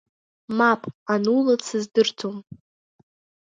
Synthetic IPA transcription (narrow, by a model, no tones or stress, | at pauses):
mapʼanulat͡sʰɨzdɨrtʰom